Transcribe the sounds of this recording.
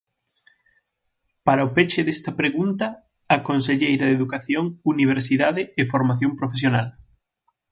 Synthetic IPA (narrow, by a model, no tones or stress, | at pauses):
paɾaopet͡ʃɪðest̪ɐpɾeɣunt̪ɐː | konseʎejɾɐðeðukaθjoŋuniβ̞eɾsiðaðɪɪfoɾmaθjompɾofesjonal